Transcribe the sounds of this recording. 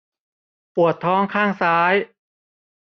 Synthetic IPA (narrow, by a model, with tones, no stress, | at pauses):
pu˨˩ət̪ʰːɔː˦˥ŋkʰaː˥˩ŋsaː˦˥j